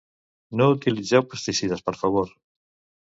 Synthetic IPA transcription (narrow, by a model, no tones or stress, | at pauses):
nõut̪iliθawpeɾst̪isiðɐspaɾfaβoɾ